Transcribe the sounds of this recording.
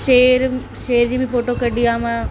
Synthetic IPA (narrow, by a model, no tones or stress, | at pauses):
ʃeːɾ | ʃeːɾd͡ʑiːbʱɪfoːʈokɐɗiaːmã